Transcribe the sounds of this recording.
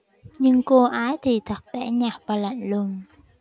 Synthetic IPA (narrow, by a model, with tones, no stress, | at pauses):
ɲɨ˧ŋko˧ʔaː˨˦jt̪ʰi˨˩t̪ʰə˨˩k̚t̪ɛ˧˩ɲaː˨˩p̚vaː˨˩la̰˧˨jŋ̟lʊ˧˩ŋ͡m